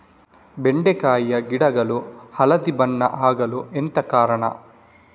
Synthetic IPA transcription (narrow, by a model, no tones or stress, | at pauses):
beɳɖekaːjjɐɡiɽɐɡɐluhɐlɐd̪ibɐɳːɐ̰ʔaːɡɐluent̪ɐkaːɾɐɳɐ̰